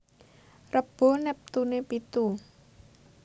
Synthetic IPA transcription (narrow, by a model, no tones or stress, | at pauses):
rəb̥o̤nɛp̚t̪unepit̪u